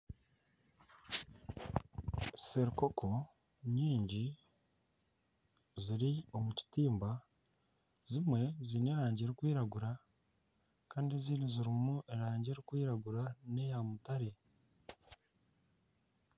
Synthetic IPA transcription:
seɾikokʰo̞ | ɲiːɲɟi | ziɾio̞muci̥tiːmba | zimwe̞zine̞ɾaːɲɟeɾikwiːɾaɡuɾa | kaːndeziːnuziɾimuʔeɾaːɲɟeɾikwiːɾaɡuɾane̞jamutaɾe̞

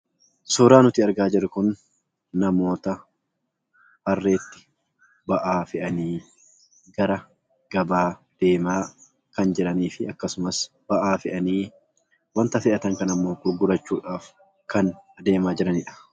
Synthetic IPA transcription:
sɔːɾaːnʊt̪iːɐɾɡaːd͡ʒɪrɪkʊnː | ɐmo̞ːt̪ɐ | bɐrːe̞ːt̪ːɪ̥ | bɐʔaːfɪʔɐniː | ɡɐɾɐ | ɡ̥ɐbaː | d̪̥e̞ːmaː | kɐnd͡ʒɛɾɐniːfɪɐkːɐsʊmɐs | b̥ɐʔaːfɛʔɐniː | wɐnt̪ɐfɪʔɐt̪ɐŋkɐnɐmːo̞ːɡʊɾɡʊɾɐt͡ʃːuːᶑaːf | kɐnd̪e̞ːmaːd͡ʒɪɾɐnɪᶑɐ̥

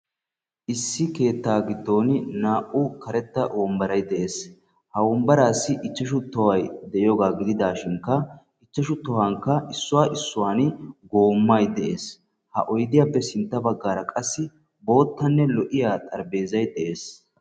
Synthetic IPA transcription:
ʔɪsːɪke̞ːt̪ːaːɡɪd̪ːo̞ːnnaːʔʊkɐɾɛt̪ːɐʔɔːmbɐɾɐjd̪ɛʔe̞ːs | hɐwɔmbɐɾaːsːɪʔɪt͡ʃːɐʃ̬ʊt̪ːɔwɐjd̪ɛʔjɔːɡaːɡɪd̪ɪd̪aːʃɪŋkːɐ | ɪt͡ʃːɐʃʊt̪ːɔwaŋkːɐɪsːʊwaːʔɪsːʊwaːnɡo̞ːmːɐjd̪ɛʔe̞ːs | hɐ̰ʔɔjd̪ɪjaːpːɛsɪnt̪ːɐbɐɡːaːɾɐkʼɐsːɪ | bo̞ːt̪ːɐnːɛlɔʔɪjaːt̪ʼɐɾbe̞ːzɐjd̪ɛʔe̞ːs

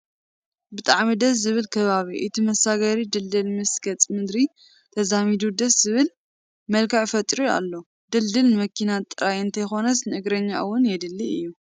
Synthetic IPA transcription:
bɨt̪ʼaʕmid̪ɐs̬zɨβɨlkʰɐβaβiʔɨt̪ʰimɐsaɡɐɾid̪ɨld̪ɨlmɨskʰɐt͡sʼmɨd̪ɾi | t̪ʰɐzamid̪ud̪ɐszɨβɨl | mɐlkʰɐʕfɐt̪ʼɾua̰lːo̞ | d̪ɨld̪ɨlnɨmɐkʰːinat̪ʼːɨɾajɨnt̪ʰɐjxo̞nɐsnɨɨɡɾɐɲːa̰ʔwːʊnjɛd̪ɨlːiɨjːu

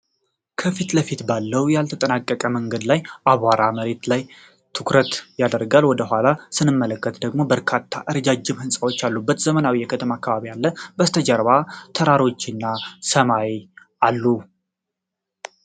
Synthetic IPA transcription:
kʰəfit̪ləfit̪balːəwjalt̪ʰət̪ʼənakʼːəkʼəməŋɡəd̪lajʔaβaɾaməɾe̞t̪laj | t̪ʰɨkɾət̪jad̪əɾɡalwɔd̪əɦʷalasɨnɨmːələkːət̪d̪əɡmo̞bəɾkʰat̪ʰːaʔɨɾəd͡ʒad͡ʒɪmhɨnsʼawo̞t͡ʃːalːubːət̪z̥əmənawijɛkʰət̪ʰəmaakːaβaβijalːəbəst̪ʰəd͡ʒəɾβat̪ʰəɾaɾo̞t͡ʃːɪnːasəmaw | ʔalːu

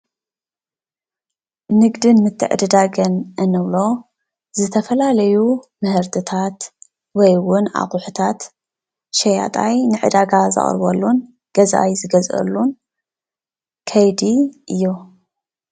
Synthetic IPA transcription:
nɨɡd̪ɨnmɨt̪ʰːɨ̰ʕɨ̰d̪ɨd̪aɡɐnʔɨnɨβlo̞ | zɨt̪ʰɐfɐlalɐjumɨhɨɾt̪ʰɨt̪ʰat̪ | wɔjwʊna̰χʼuħut̪ʰat̪ | ʃɐja̰t̪ʼajnɨʕɨ̰d̪aɡazɨ̰χʼɾbɐ̰lːun | ɡ̥ɐzʔa̰jzɨɡɐzʔɐ̰lːun | kʰɐjd̪iʔɨjːu

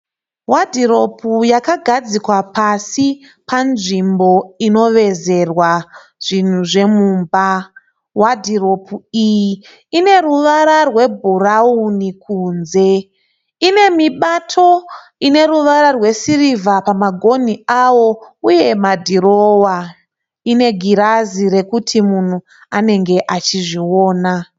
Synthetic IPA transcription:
wadʱiɾo̞pʰujakaɡʱad͡zikwapasi | panʐimbo̞ino̞ʋe̞ze̞rwa | ʐ̥in̤uʐe̞muːmba | wadʱiro̞puiji | ine̞ruʋaɾarwe̞bʱuraunikʰuːnze̞ | ine̞miɓatʰo̞ | ine̞ɾuʋaɾarwe̞sirivapamaɡʱo̞niawo̞uje̞madʱiɾowa | ine̞ɡʱiɾaziɾe̞kutʰimun̤u | ane̞ŋɡe̞ʔat͡ʃiʐiwo̞ːna

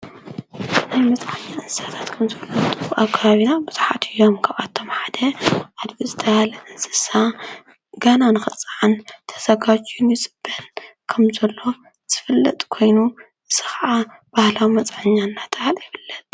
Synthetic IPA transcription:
najmɐt͡sʼʕaɲːaʔɨnsɨsat̪ʰḁt̪kʰɐmzɐlːoɨt̪ʼɨbuʔakʰːaβaβinabɨzħat̪ʰɨjo̞mkʰaβʔat̪ʰːo̞mħad̪ɐʔad̪ɡizɨt̪ʰɐhalɐʔɨnsɨ̥sa | ɡɐnanɨxɨt͡sʼaʕant̪ʰɐ̥sɐɡat͡ʃʼjunit͡sʼɨb̥ːɐnkʰɐmzɐlːo̞ | z̥ɨ̥fɨlːɐ̰t̪ʼkʰo̞jnu | ɨz̥ɨxaʕa | b̥ahlawimɐt͡sʼʕaɲːanːat̪ʰhaljɪbɨlːɐt̪

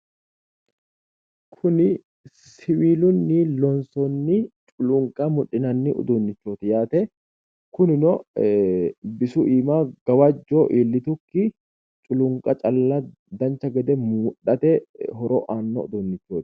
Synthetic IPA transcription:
kʰʊnɪ | sɪwiːlʊnːɪlɔnsɔnːɪt͡ʃʼʊlʊŋkʼɐmʊᶑɪnɐnːɪʔʊ̰d̪ʊnːɪt͡ʃːoːt̪ɪjaːt̪ɛ | kʊnɪnɔ | bɪsʊʔiːmaːɡ̥ɐwɐd͡ʒːoːʔiːlːɪt̪ʊkːɪ | t͡ʃʼʊlʊŋkʼɐt͡ʃʼɐlːɐ | d̪ɐnt͡ʃːɐɡɛd̪ɛmuːᶑɐt̪ɛɦɔɾoːʔaːnːɔ̰ʊ̰d̪ʊnːɪt͡ʃːoːt̪ɪ̥

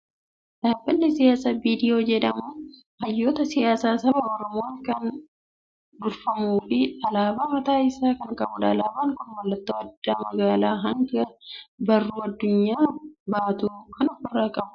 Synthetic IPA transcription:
ᶑ̥aːbːɐnːɪsɪjaːsaːbiːd̪ɪjoːd͡ʒɛᶑɐmuː | hɐjːoːt̪ɐsɪjaːsaːsɐbɐɔɾɔmoːŋkɐn | d̪ʊɾfɐmuːfɪɐlaːbaːmɐt̪aːɪsaːkɐŋkʼɐbʊᶑ̪ɐ̰ːlaːbaːŋkʊnmɐlːɐt̪ːɐwɐd̪ːaːmɐɡaːlaːɦɐŋɡɐbɐrːuːɐd̪ːʊɲːaːbaːt̪uːkɐnɐkʊrːakʼɐbʊ

